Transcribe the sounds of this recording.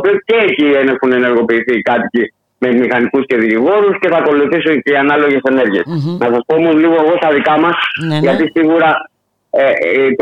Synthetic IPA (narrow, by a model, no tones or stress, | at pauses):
pioceːcienexune̞ne̞ɾɣo̞piːθikɐt̪ici | me̞mixɐnikusce̞ðiiɣo̞ɾusce̞θɐko̞luθisunceiɐnɐlo̞ʝe̞se̞ne̞ɾʝiesnɐsɐspomozliɣoneɣo̞st̪ɐðikɐmɐsʝɐt̪isiɣuɾɐ | et̪